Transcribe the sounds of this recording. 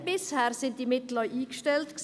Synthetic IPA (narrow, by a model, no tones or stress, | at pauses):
bɪshɛːɾsɪntd̥iːmɪtl̩əʔiːɡʃtɛltks